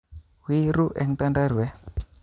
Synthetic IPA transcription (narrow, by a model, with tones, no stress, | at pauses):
wi˦ɾu˦ʔɛ˨ŋt̪a˦nda˦ɾu˨ɛ˦